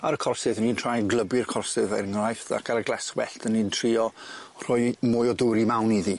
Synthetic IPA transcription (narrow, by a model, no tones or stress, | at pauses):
aɾəkʰɔrsɨðənintʰr̥aːjɡlˠəbɪrkʰɔrsɪðɛ̰ɾŋrajθa̰kʰaɾəɡlˠɛskwɛ̰ɬtʰənːintʰriːɔr̥ʊjmʊjɔdʊɾimawniði